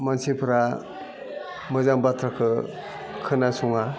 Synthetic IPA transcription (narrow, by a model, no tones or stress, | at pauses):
mansipʰɯɾa | mɯzaŋbatʰɾakʰɯ | kʰɯnasuŋa